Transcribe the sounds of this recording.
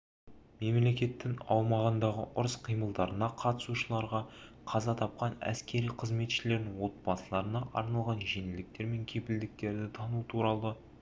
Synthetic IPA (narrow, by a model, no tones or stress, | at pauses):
me̞mle̞kʲe̞t̪ːɪŋɑ̰wmɑʁənd̪ɑʁə̰ʔʊɾəsqʰijməlˠd̪ɑɾənɑqʰɑt̪ə̥suʃəlˠɑɾʁɑ | qʰɑzɑt̪ʰɑp̚qɑnæ̰skʲe̞ɾijqʰəzme̞t̪ʃɪle̞ɾnɪŋwo̞t̪̚bɑsəlˠɑɾənɑʔɑ̰ɾnɑlˠʁɑnʒe̞nɪld̪ɪk̚t̪e̞ɾme̞ŋkʲʰe̞pɪld̪ɪk̚t̪e̞ɾd̪ɪt̪ʰɑnut̪ʰuɾɑlˠə